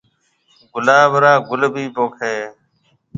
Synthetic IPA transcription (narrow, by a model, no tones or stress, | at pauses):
ɡʊlaːʋəɾaːɡʊlbʱiːpoːkʰeː